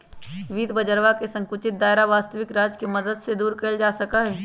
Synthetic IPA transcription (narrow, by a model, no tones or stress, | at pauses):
ʋiːd̪bɐd͡ʒəɾʋakesɐ̃ŋkʊt͡ʃɪt̪̚d̪aːɪɾaʋaːst̪əʋɪkɾaːd͡ʒkemɐd̪əd̪sed̪uːɾkɐld͡ʒaːsɐkaɦɛː